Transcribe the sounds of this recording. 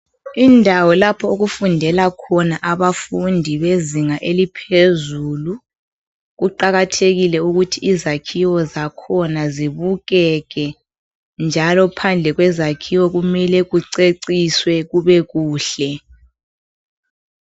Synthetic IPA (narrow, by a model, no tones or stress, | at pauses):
indʱawɔlapʰɔoɣufundʱɛlakʰɔnaʔaβafundʱiβeziŋaʔelipʰezuːlu | ɣuǃaɣatʰeɣilɛuɣutʰiizakʰiwɔzakʰɔnaziβuɣɛɣɛ | nd͡ʒʱalɔpʰand͡ɮʱɛɣwɛzakʰiwɔɣumɛlɛɣuǀeǀiswɛɣuβɛɣuːɬɛ